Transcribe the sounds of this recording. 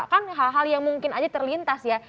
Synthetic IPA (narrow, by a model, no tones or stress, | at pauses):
kanɦalɦaljaŋmuŋkɪnad͡ʒat̪ərlint̪asja